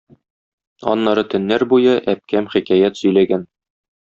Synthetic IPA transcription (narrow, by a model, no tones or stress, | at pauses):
ɒ̰nːɑɾɤt̪ɘ̆nːæɾbujɤʔæp̚kæmχikæjæt̪sɵ̆jlæɡæn